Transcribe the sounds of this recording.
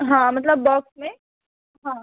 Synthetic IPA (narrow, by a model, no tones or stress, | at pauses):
ɦãːmɐt̪ləbːɔːksmẽ | ɦã